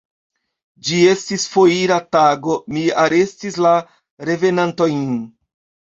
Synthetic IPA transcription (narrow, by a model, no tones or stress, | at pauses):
d͡ʒie̞stisfoiɾataɡo̞miaɾe̞stisla | ɾe̞ve̞nantojn